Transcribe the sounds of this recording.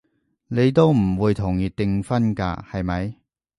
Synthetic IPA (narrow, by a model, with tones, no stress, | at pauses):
ne˨˧jt̪̬o˥wm̩˨˩wuː˨˧jt̪ʰʊ˨˩ŋjiː˨˧t̪ɪ˧ŋfɐ˥nka̰ː˧hɐ˨jmɐ˨˧j